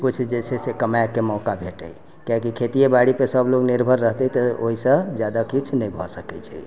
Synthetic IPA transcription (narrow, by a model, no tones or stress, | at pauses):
kut͡ʃʰd͡ʒet͡ʃʰɛsekəmajkːemɔkabʱeʈə̰j | kjakikʰet̪ijebaɽipesəbloɡniɾbʱəɾːəɦt̪ɛt̪ɔoɦisə̃d͡ʒjad̪akit͡ʃʰnɛjbʱɔsəkɛt͡ʃʰɛ